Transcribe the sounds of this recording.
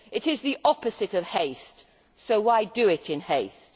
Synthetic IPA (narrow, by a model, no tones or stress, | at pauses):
ɨɾɪzðiʔɒpɨzɨɾʌv̥heɪst | soʊwaɪdɨɪtɨ̃nheɪst